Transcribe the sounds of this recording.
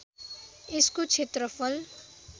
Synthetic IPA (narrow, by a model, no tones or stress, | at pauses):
eskot͡sʰet̪rʌpʰʌl